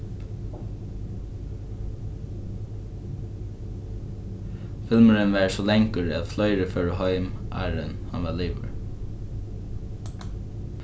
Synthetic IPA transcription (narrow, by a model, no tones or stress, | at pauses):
fɪlməɹənʋæːɹsɔlɛŋkəɹɛðflœʏɾəføːɹəɦɔʏmʔæ̰ːɹə̰nhɑnʋɑliːʋə̰ɹ